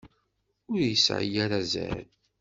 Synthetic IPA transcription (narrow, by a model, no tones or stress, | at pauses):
ʊɾjəsʕə̰jaɾazæ̰l